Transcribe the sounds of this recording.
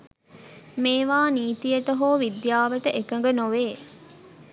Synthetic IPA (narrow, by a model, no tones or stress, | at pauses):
meːʋaːniːt̪ijəʈəɦoːʋid̪jaːʋɐʈəʔekɐŋ̆ɡənoʋeː